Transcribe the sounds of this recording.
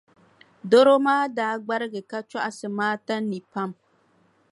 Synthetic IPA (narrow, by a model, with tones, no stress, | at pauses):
do˦ɾo˦maː˦daː˦ɡ͡ba˦ɾɪ˦ɡɪ˨ka˦t͡ʃa˦ʔa˨sɨ˨maː˦ta˦nːi˨pa˦m